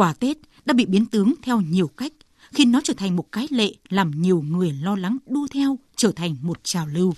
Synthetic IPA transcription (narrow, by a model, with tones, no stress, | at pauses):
waː˧˩t̪e˦˥t̚ɗa̰ː˧˥ɓḭ˧˨ɓi˨˦ənt̪ɨ˨˦əŋt̪ʰɛ˧wɲi˨˩əwka˦˥jk̟̚ | xi˧nːɔ˨˦t͡ɕəː˧˩t̪ʰa˨˩ŋ̟mo˨˩t̚kaː˨˦jlḛ˧˨laː˨˩mɲi˨˩əwŋɨ˨˩əjlɔ˧la˨˦ŋɗu˧ət̪ʰɛ˧wt͡ɕəː˧˩t̪ʰa˨˩jŋ̟mo˨˩t̚t͡ɕaː˨˩wlɨ˧w